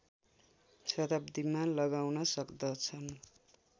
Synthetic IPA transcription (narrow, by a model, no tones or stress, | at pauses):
sʌt̪abd̪imalʌɡawnʌsʌkd̪ʌt͡sʰʌn